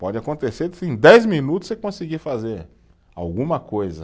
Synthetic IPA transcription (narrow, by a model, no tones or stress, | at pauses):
pɔd͡ʒɪakõnt̪esesẽj̃d̪ɛjzmĩnut̪ʊsekõsiɡifazeɾ | a̰wɡũmɐkojzɐ